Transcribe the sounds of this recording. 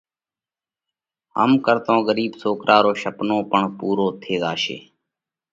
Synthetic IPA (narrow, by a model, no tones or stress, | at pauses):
ɦə̰mkəɾt̪õːɣəɾiːbsoːkɾʔaːɾoːʃəpnõːpəɳpuːɾoːt̪ʰeːɡaːʃḛː